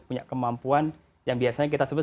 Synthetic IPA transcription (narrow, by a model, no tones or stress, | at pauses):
puɲa̰ʔkəmampuan | jaŋbiasaɲak̬it̪asəbət̪